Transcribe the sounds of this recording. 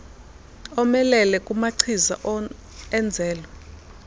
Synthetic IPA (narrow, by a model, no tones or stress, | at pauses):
ɔmɛlɛlɛkʼumaǀʰiza̰ʔ | ɛnd͡zʱɛːlɔ